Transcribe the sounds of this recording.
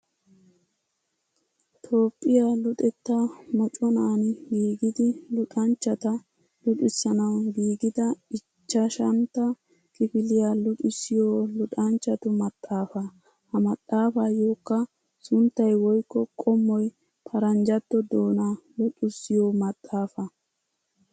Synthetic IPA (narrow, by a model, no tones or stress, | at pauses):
t̪ʰo̞ːpʼːɪjalʊt̪ʼɛt̪ːɐmɔt͡ʃʼɔnaːnɪɡiːɡɪd̪ɪlʊᶑʼɐnt͡ʃːɐt̪ɐ | lʊᶑʼɪsːɐnɐwɡiːɡɪd̪ɐɪ | t͡ʃːɐʃɐnt̪ːɐ | kʼɪfɪlɪjalʊtʼʊsːɪjoːlʊᶑɐnt͡ʃːɐt̪ʊmɐt̪ʼːaːfɐ | hɐmɐt̪ʼːaːfajoːkːɐ | sʊnt̪ːɐjwɔjkːɔkʼɔmːɔj | pʰɐɾɐnd͡ʒɐt̪ːɔd̪oːnalʊtʼʊsːɪjoːmɐt̪ʼːaːfɐ